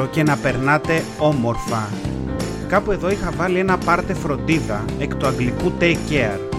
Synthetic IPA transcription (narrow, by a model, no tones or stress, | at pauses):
oce̞nɐpe̞ɾnɐt̪e̞ | o̞mo̞ɾfɐ | kɐpue̞ðo̞ixɐvɐlie̞nɐpɐɾt̪e̞fɾo̞nd̪iðɐekt̪uɐŋɡlikut̪eceɐɾ